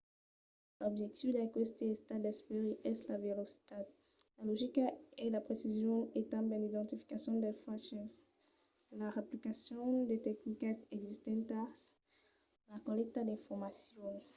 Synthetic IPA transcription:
lɔbʒɛk̚t̪ifd̪əlakwɛst̪eɛst̪ad̪ɛspeʁiʔɛslavelosi̥t̪ad̪ | lalɔʒikaɛlapχesizjɔ̃et̪ãmbɛ̃d̪id̪ɑ̃nt̪ifi̥kasjɔ̃d̪efaʃɛ̃s | laʁaplikasjɔ̃d̪et̪ɛknikaɛɡzist̪ɛ̃nt̪as | lakɔlɛk̚t̪ad̪ɛ̃fɔʁmasjɔ̃

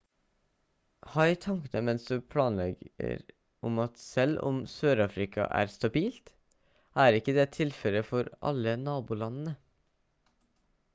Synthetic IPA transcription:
hɑɪt̪ʰɑŋkənəmɛnsd̪ʉːpʰɽɑːnlɛɡə̰ɾ | ʔʊmɑt̪sɛlʊ̰msøːɾɑːfɾɪkʰɑ̰ʔæ̰ːɾst̪ɑbiːlt̪ | ʔæːɾɪkəd̪eːt̪ʰɪlfɛləfɔɾʔɑ̰lənɑːbuːlɑnn̩ə

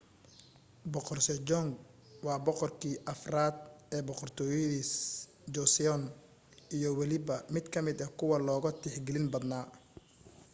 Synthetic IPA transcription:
bɔqɔrsɛd͡ʒɔŋɡ | wɑːbɔqɔrkʰiːʔɐfraːd̪̚ɛːbɔqɔrt̪ʰɔːjɐðiːs | d͡ʒɔsɪɔn | ijɞwɐlɪbɐmɪd̪kʰɐmɪd̪ɐkʰʊwɐlɔːɣɐt̪ʰɪħɡɛlɪnbɐd̪naː

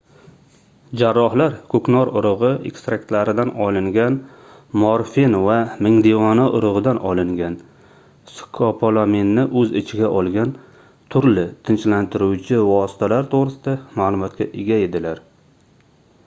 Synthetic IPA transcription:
d͡ʒaɾːɒhlaɾkʰɵknɒɾʊɾʊʁɨḛkst̪ɾakt̪laɾɪd̪anɒlˠɪŋɡʲan | moɾfinvamɪŋd̪evɒnaʔʊɾʊʁɨd̪anʔɒlˠɪŋɡʲan | skʰopʰolˠominːɪʔɵzɪ̰t͡ʃʰɪɡʲaʔɒlˠɡʲan | t̪ʰʊɾlɪt̪ʰɪnt͡ʃlant̪ʰɪɾuwt͡ʃʰɪvɒsɪ̥t̪ʰalaɾt̪ʰoʁɾɪsɪd̪amaːlˠʊmɒt̪̚kʲaʔɪɡʲaed̪ɪlaɾ

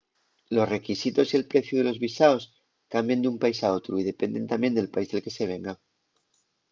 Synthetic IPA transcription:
lo̞sre̞kisit̪o̞sie̞lpɾe̞θjuð̞e̞lo̞zβisaos | kambjend̪umpaisao̞t̪ɾuiðe̞pe̞nd̪e̞nt̪ambje̞nd̪e̞lpaizðelke̞se̞β̞e̞ŋɡa

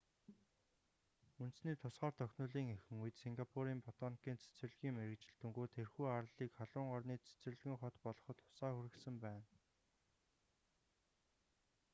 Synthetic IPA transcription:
unt̪̆sniːt̪ʰʊsχaːrt̪ʰœxʲnʊːɮiːŋexɘ̆ŋujt̪siŋɡapʰuɾiːmpɔt̪ɔnkiːnt͡sʰe̥t͡s̆ɘ̆ɮɣiːŋmeɾɘ̆kt͡ɕɪ̆ɬt̪ɘ̆ŋɡuːt̪ʰerxuːar̆ɮiːkχaɮʊːɴɢɔrniːt͡sʰe̥t͡s̆ɮɣĭːŋχɔt̪pɔɮɞ̆χɞ̆t̪ʰːʊ̥saːxuɾɘ̆ksɘ̆mpæːn

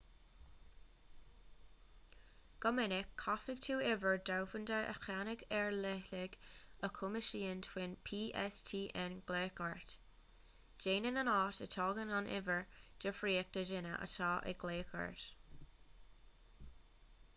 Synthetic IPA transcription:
ɡ̥ɔmɪnɪkʰːafɪɡ̥̚tʰuːɪvəɹdawfəndəʔə̰xanɪɡɛɹlɛlɪɡəkʰʊməʃiːəntʰwɪnpʰiːʔɛstʰiːʔɛnɡ̥leːkəɹt | d͡ʒ̥eːnənənɑːtə̰tʰɔːɡənanʔɪ̰vəɹd̥əfɹiːək̚d̥əʒɪnə̰ʔə̰taːʔɪ̰ɡ̥leːkʰə̰ɹt

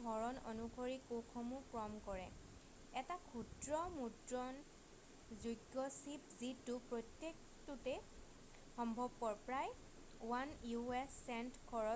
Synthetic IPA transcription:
ɦɔɹɔno̰nukʰoɹikokʰɔmukɹɔmkɔɹɛ | ɛtakʰudɹɔmudɹɔn | zuɡɔsipzitupɹɔtjek̚ | tute | xɔmbʱɔbɔɹpɹaj | wanjuɛsːɛntkʰɔɹɔ

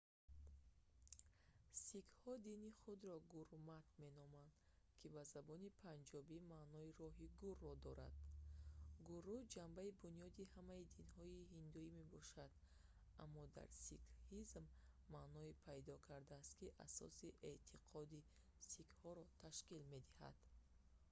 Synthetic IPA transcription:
sikhɔd̪iniχud̪ɾɔɡuɾmat̪me̞nɔmand̪ | kʰibazabɔnipʰand͡ʒɔbimaʔnɔiɾɔɦiɡurːɔd̪ɔɾa̰d̪̥̚ | ɡurːud͡ʒambaibunijɔd̪ihamaid̪inhɔihind̪uime̞bɔʃad̪ | amːɔd̪a̰ɾsikhizmːaʔnɔipʰajd̪ɔkʰaɾd̪aːst̪kiʔa̰sɔ̰siʔet̪ʰiqʰɔd̪i | sikhɔɾɔt̪ʰaʃkilme̞d̪iha̰d̪̥

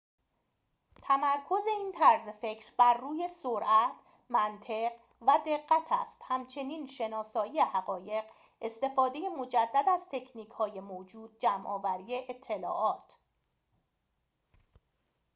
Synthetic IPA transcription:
t̪ʰæmæɾkʰo̞ze̞iːnt̪ʰæɾzefe̞cʰɾbæɾːuːje̞soɾʔæt̪ʰ | mænt̪ʰe̞ɢ | væd̪e̞ɢːæt̪ʰæ̰st̪hæmt͡ʃʰe̞niːnʃe̞nɒːsɒːije̞hæɣɒːje̞ɢ | e̞st̪e̞fɒːd̪e̞je̞mo̞d͡ʒæd̪ːæd̪æz̥t̪ʰe̞cʰniːkʰhɒːjemoːd͡ʒuːd̪̚d͡ʒæmʔɒːvæɾiːjeʔet̪ʰːe̞lɒ̰ːʔɒːt̪ʰ

